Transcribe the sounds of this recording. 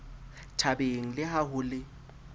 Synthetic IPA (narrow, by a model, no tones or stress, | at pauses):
tʰabeŋ̩lɪhahʊːlɪ